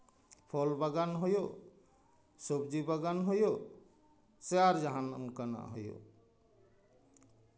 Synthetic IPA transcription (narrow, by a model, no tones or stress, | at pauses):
pʰɔlbaɡanɦojo | sobd͡ʒibaɡanɦojo | seaɾd͡ʒaɦanɔ̰mkana̰ʔɦojo̰